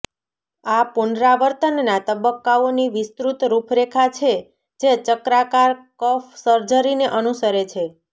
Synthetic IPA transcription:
apunɾaʋəɾt̪ənːat̪əbəkːaoniʋɪst̪ɾut̪ɾupʰɾekʰat͡ʃʰe | d͡ʒet͡ʃəkɾakaɾkəfsəɾd͡ʒəɾineʔənusəɾet͡ʃʰe

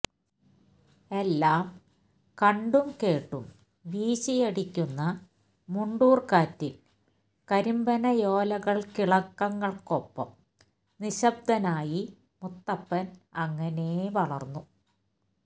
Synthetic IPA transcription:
e̞lːaːm | kɐɳɖumke̞ːʈːṵm | ʋiːɕijɐɽikʲːunːɐ | muɳɖuːrkaːtːil | kɐɾimbɐnɐjo̞ːlɐɣɐɭkiɭɐkːɐŋːɐɭko̞pːɐ̰m | niɕɐb̚d̪ʱɐnaːji | mut̪ːɐpːɐnɐŋːɐne̞ʋɐɭɐ̰rnːu

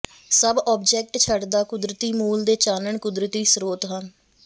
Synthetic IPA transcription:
səbɔːb̚d͡ʒɛːk̚ʈt͡ʃʰəɖd̪aːkʊd̪ɾət̪iːmuːld̪eːt͡ʃaːnəɳkʊd̪ɾət̪iːsɾoːt̪ɦən

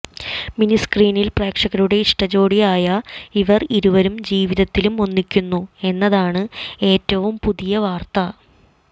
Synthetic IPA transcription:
miniskriːnilpreːkʂɐɣɐɾuɽe̞iʂʈɐd͡ʑo̞ːɽijaːjɐiʋɐriɾuʋɐɾumd͡ʑiːʋiðɐt̪ːilumo̞nːikʲːunːue̞nːɐðaːɳɨe̞ːtːɐʋumpuðijɐʋaːrt̪ɐ

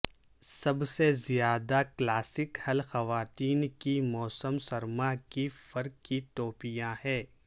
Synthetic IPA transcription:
sɐbsezijaːd̪aklaːsɪkhɐlxɐʋaːt̪iːnkimɔːsəmsɐɾmakifɐɾkːit̪oːpijãhɛː

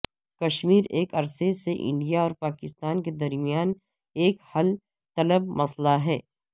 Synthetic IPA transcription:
kɐʃmiːɾeːkɐɾseseʔɪ̰̃ɳɖijaɔːɾpaːkɪst̪aːnked̪ɐɾmijaːn | eːkhɐl | t̪ɐləbmɐslaɦɛː

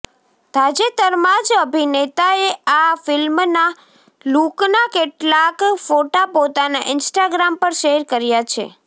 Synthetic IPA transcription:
d̪̥ʱad͡ʒet̪əɾmad͡ʒəbʱinet̪aeafɪlmna | luknakeʈlakfoʈapot̪anaʔɪnsʈaɡɾampəɾʃeɾkəɾjat͡ʃʰḛ

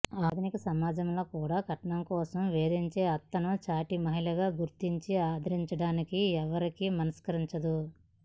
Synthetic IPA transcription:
aːd̪nikɐsɐmaːd͡ʒɐmlo̞ːkuːɽaːɡʱɐʈɐɳɐmkɔːsɐmʋeːd̪iɲt͡ʃe̞ːɐt̪ːɐnut͡ʃaːʈimɐɦilɐɡaːɡuɾt̪iɲt͡ʃiaːd̪ʱɐɾiɲt͡ʃɐɽaːnikiɛʋɐɾikimɐnɐskɐɾiɲt͡ʃɐd̪u

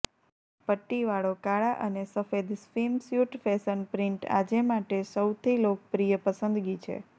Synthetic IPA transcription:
pəʈːiʋaɭokaɭaʔənesəfed̪sfimsjuʈfɛsənpɾiɳʈa̰d͡ʒemaʈesəwt̪ʰilok̚pɾijəpəsənd̪ɡit͡ʃʰḛ

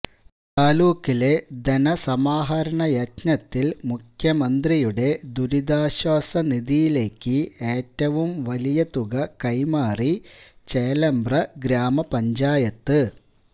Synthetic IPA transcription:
t̪aːluːkːile̞d̪enɐsɐmaːɦɐɾɐɳɐjɐtnɐt̪ːilmukʰjɐmɐnd̪rijuɽe̞d̪uɾid̪aːɕwaːsɐniðijile̞ːkːɨe̞ːtːɐʋumʋɐlijɐt̪uɣɐkɐjmaːrit͡ɕeːlɐmbrɐɡɾaːmɐpɐɲd͡ʑaːjɐt̪ːɨ

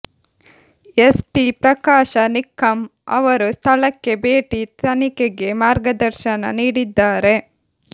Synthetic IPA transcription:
espipɾɐkaːʃɐnikʰːɐmɐ̰ʋɐɾust̪ʰɐɭɐkːe̞beːʈit̪ɐnikeɡe̞maːɾɡɐd̪ɐɾʃɐnɐ̰niːɽid̪ːaːɾe

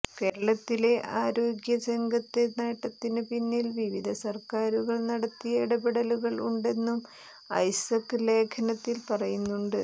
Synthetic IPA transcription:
ke̞ːɾɐɭɐt̪ːile̞ʔaːɾo̞ːɡjɐsɐŋɡʱɐt̪ːeneːʈːɐt̪ːinɨpinːilʋiʋid̪ʱɐsɐrkaːɾuɣɐɭnɐɽɐt̪ːijɐiɽɐbiɽɐluɣɐɭṵɳɖe̞nːum | ɐ̰jsɐkːɨle̞ːkʰɐnɐt̪ːilpɐrɐjunːuɳɖɨ

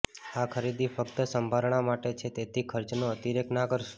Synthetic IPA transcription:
akʰəɾid̪ifəkt̪əsəmbʱaɾɳ̃amaʈet͡ʃʰet̪et̪ʰikʰəɾt͡ʃnoət̪iɾeknakəɾʃ

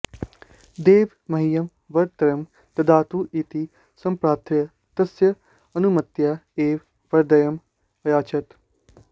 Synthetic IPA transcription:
d̪eːʋ | mɐɦijɐm | ʋɐɾt̪ɐɾɐm | t̪ɐd̪aːt̪uʔit̪i | sɐ̃mpɾaːt̪ʰɾɪ | t̪ɐsjɐ | ɐnumɐt̪jaːeːʋ | ʋɐɾd̪ɐjɐm | ɐjaːt͡ʃɐt̪

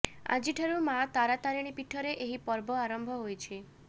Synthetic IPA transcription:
a̰d͡ʒiʈʰaɾumat̪aɾat̪aɾiɽ̃ipiʈʰːɔɾeʔeɦipɔɾbɔaɾɔmbʱɔɦojt͡ʃʰi

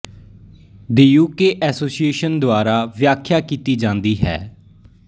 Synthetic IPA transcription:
d̪iːjuːkeːʔɛːsoːsijeːʃənd̪oaːɾaːʋjaːkʰːjaːkiːt̪iːd͡ʒãːnd̪iːɦɛ̰ː

